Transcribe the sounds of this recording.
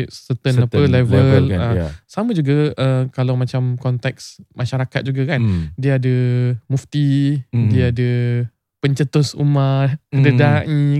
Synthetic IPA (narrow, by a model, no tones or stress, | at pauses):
sət̪ənapəlɛvəlasamə̃d͡ʒuɡaʔəkalawmat͡ʃamkɔnt̪ɛk̚smaʃaɾakat̪̚d͡ʒuɡakandiaadəmuft̪idiaadə | pəɲt͡ʃət̪ʊsṵmakədədaʔɲi